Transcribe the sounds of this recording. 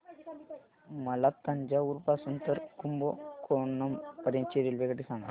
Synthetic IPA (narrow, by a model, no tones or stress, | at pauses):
mɐlɐk̚t̪ɐɲd͡ʒauɾpasunt̪ɐɾkumbokoːnːɐmpɐɾjɐnt͡ʃiɾilʋekɐʈːisaːŋɡɐ̰